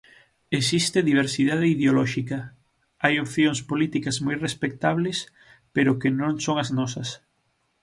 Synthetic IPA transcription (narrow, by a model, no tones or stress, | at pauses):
esist̪eðiβ̞eɾsiðaðɪiðeolɔʃikɐ | ajopθjoŋspolit̪ikɐzmojrespek̚t̪aβles | peɾʊkenõŋsoŋɐznɔsɐs